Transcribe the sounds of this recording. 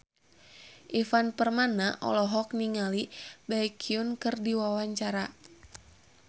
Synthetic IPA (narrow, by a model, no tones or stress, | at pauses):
ʔifanpərmanaʔɔ̰lɔɦɔk̚niŋalibajkʰiunkɨrdiwawaɲt͡ʃaɾa